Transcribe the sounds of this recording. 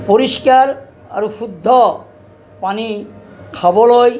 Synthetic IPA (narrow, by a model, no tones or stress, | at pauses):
poɾiʃkaɾ | a̰ɾuʃʰud̪ʱːo | panikʰaboloj